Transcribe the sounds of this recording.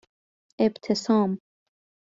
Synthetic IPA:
ebt̪ʰesɑːm

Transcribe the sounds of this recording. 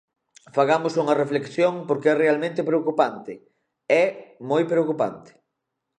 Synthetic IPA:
faɣamʊsuŋɐreflekθjoŋpoɾkeɛrealmẽnt̪ɪpɾeokupant̪ɪ | ɛmojpɾeokupa̰nt̪ɪ̥

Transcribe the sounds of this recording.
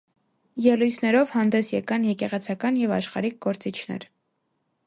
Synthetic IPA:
jɛlujt̪ʰnɛɾɔvhɑnd̪ɛsjɛkɑnjɛkɛʁɛt͡sʰɑkɑnjɛvɑʃχɑɾik̚ɡɔɾt͡sit͡ʃʰnɛ̰ɾ

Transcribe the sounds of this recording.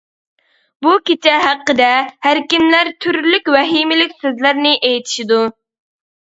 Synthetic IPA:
bukʲet͡ʃʰɛɦæqːəd̪ɛhæɾkʲimlæɾt̪ʰyɾlykʲwɛɦimɪlɪkʲsøzlæɾnɪʔejt̪ʰi̥ʃid̪u

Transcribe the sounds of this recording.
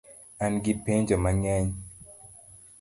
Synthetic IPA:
anɡipeɲd͡ʒɔmaŋɛɲ

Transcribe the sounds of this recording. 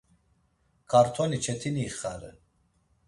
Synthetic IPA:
kʰaɾt̪ʰɔnit͡ʃʰɛt̪ʰiniːχaɾɛ̰

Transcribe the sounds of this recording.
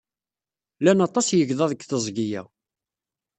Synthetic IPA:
lænɑt̪ˤɑsjəʝðˤɑðəɡθəzˤɡijæ̰w

